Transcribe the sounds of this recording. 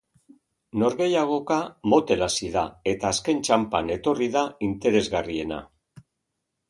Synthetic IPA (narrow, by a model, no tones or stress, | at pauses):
no̞ɾɣe̞jaɣ̞o̞kamo̞t̪e̞lasiðae̞t̪aːske̞nt͡ʃampane̞t̪o̞riðaint̪e̞ɾe̞zɣarie̞na̰